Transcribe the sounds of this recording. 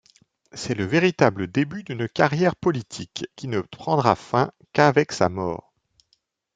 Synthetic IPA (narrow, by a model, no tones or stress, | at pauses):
sɛləveʁit̪abləd̪ebyd̪ynkaʁjɛʁpɔlit̪ʰikːinəpχɑ̃d̪ʁafɛ̃ | kavɛksa̰mɔ̰ːʁ